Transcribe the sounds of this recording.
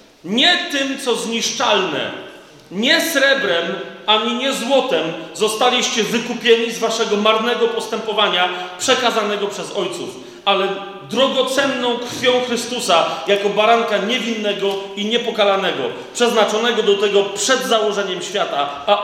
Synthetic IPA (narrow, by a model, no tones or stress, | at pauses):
ɲɛt̪ɘmt̪sɔzɲiʂt͡ʂalnɛ̰ | ɲɛsɾɛbɾɛmaɲiɲɛzwɔt̪ɛmzɔst̪alʲiɕt͡ɕɛvɘkupʲjɛɲizvaʂɛɡɔmaɾnɛɡɔpɔst̪ɛmpɔvaɲapʂɛkazanɛɡɔpʂɛzɔjt̪sṵf | alɛ | d̪ɾɔɡɔt̪sɛnːɔ̃w̃kɾfʲjɔ̃w̃xɾɘst̪usajakɔbaɾaŋkaɲɛvʲinːɛɡɔiɲɛpɔkalanɛɡɔ̰ | pʂɛznat͡ʂɔnɛɡɔd̪ɔt̪ɛɡɔpʂɛd̪zawɔʐɛɲɛmɕfʲjat̪a | a